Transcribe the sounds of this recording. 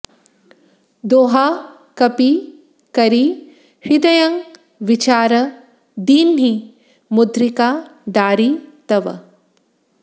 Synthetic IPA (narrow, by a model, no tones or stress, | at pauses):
d̪oːɦa | kɐpi | kɐɾi | ʃid̪ɐjɐŋ | ʋit͡ʃaːɾɐ | d̪iːnɦi | mud̪ɾikaːd̪aːɾit̪ɐʋɐ̰